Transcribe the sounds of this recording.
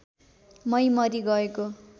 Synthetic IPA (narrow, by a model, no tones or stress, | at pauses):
mʌjmʌɾiɡʌeko